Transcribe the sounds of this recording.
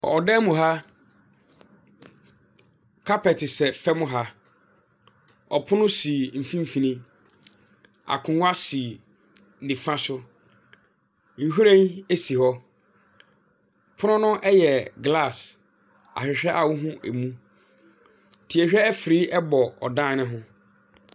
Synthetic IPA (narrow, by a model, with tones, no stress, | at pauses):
ɔ̰˨ɔ˨dɛ˦mũ˨ɦa˦ | kʰa˦pɛ˨tɪ˨sɛ˨fɛ˦mʊ̃˦ɦa˦ | ɔ̰˨pʰʊ˦nʊ̃˦si˨m̩˨fĩ˦m̩˦˨fĩ˨nĩ˦ | a̰˨kʰʊ̃˨ŋ˦a˦si˨ | nĩ˨fã˦sʊ˦ | ŋ̩˨ɦu˦ɾẽ˦n˦e˦si˨hɔ˦ | pʰʊ˦ʊ̃˦nʊ̃˦ʔɛ˦jɛ˨ɡla˦˨s | a̰˨ɕᶣɪ˨ɕᶣɛ˦ʔa˨wʊ˦ɦʊ̃˦ʔæ˨mũ˦ | tʰi˨ɛ˨ɕᶣɛ˦æ˦fɪ˨ɾi˦ʔɛ˦bɔ˨ɔ̰˨dã˦˨nɪ̃˦ɦʊ̃˦